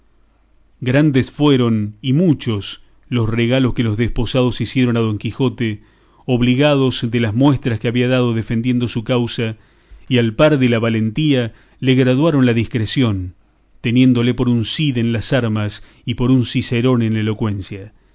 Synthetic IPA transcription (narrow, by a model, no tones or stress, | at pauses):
ɡɾand̪esfweɾo̞nimut͡ʃo̞s | lo̞sreɣalo̞skelo̞zðespo̞sað̞o̞sisjeɾo̞nað̞o̞ŋkixo̞t̪e | oβliɣað̞o̞zðelazmwe̞st̪ɾaskeaβiaðað̞o̞ðefend̪je̞nd̪o̞sukawsa | ialpaɾðelaβalent̪ia | leɣɾaðwaɾo̞nlaðiskɾesjo̞n | t̪e̞nje̞nd̪o̞le̞po̞ɾunsiðenlasaɾmas | ipo̞ɾunsiseɾo̞nenlelo̞kwe̞nsja